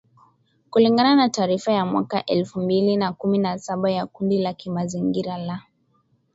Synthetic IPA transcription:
kuliŋɡananataːɾifajamwa̰kaʔɛlfumbilinakuminasaɓajakundilakimaziŋɡiɾala

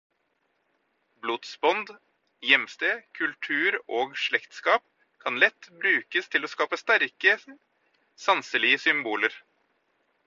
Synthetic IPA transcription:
bluːd̪sbɔnd̪ | jɛmst̪eːkʰʉlt̪ʰʉːɾoːɡʂɭɛkt̪skɑːp̚ | kʰɑnlɛt̪ːbɾʉːkəst̪ʰɪloːskɑːpəst̪æɾkə | sɑnsəlɪəsʏmbuːləɾ

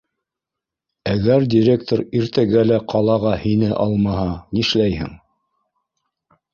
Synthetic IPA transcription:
æɡæɾdʲɪɾʲek̚t̪oɾiɾt̪æɡælæqʰɑlˠɑʁɑhinɘʔɑlˠmɑhɑniʃlæjhɘ̰ŋ

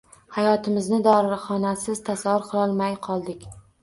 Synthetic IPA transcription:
hajɒt̪ʰɪmɪznɪd̪ɒɾɪɾχɒnasɪz̥t̪ʰasavʊɾqʰɨlˠɒlˠmajqʰɒlˠd̪ɪkʲ

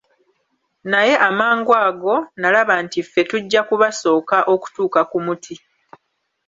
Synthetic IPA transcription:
naje̞ʔamaːŋɡwaːɡo̞nalaβantifːetuɟːakuβaso̞ːkaʔo̞ku̥tuːkakumutʰi

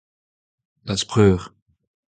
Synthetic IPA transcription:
laspχøːʁ

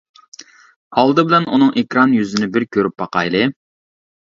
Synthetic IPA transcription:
hɑlˠd̪ɨbɪlɛnunɨŋʔekʲɾɑnjyzɪnɪbɪɾkʲʰøɾyp̚bɑqɑjlˠɨ

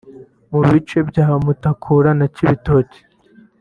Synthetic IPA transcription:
muβit͡ʃe̞bɟaːhamutakʰuːɾanaciβito̞ːci̥

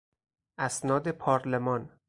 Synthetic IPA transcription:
ʔæsnɒːd̪e̞pʰɒːɾlemɒn

